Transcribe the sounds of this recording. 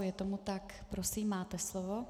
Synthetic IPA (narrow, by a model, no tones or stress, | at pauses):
jɛt̪omut̪akpɾosiːmːaːt̪ɛslovo